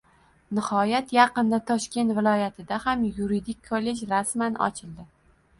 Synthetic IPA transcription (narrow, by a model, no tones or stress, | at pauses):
nɪhɒjat̪jɑqɨnd̪at̪ʰɒʃkʲe̞nt̪vɪlˠɒjat̪ʰɪd̪ahamjuɾid̪ɪkʲʰːolːe̞d͡ʒɾasmanɒ̰t͡ʃʰɪld̪ɪ